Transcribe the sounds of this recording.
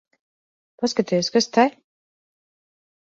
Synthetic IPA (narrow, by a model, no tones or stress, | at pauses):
paskat̪ɛjoskast̪aj